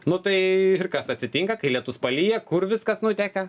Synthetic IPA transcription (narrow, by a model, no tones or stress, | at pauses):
nʊt̪ɐɪɪrkɐsɐtʲsʲɪt̪ʲɪŋkɐkɐɪlʲiɛt̪ʊspɐlʲiːjɛkʊrʋʲɪskɐsnʊt̪ʲækɐ